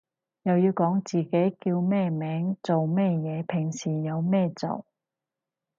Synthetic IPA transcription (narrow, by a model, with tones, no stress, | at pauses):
jɐ˨wjiː˧wkɔː˨˥ŋt͡siː˨˩ke˨˥jkiː˧wmɛː˥˧mɛː˨˥ŋt͡so˨wmɛː˥˧jɛː˨˧pʰɪ˨˩ŋsiː˨˩jɐ˨˧wmɛː˥˧t͡so̰˨˩w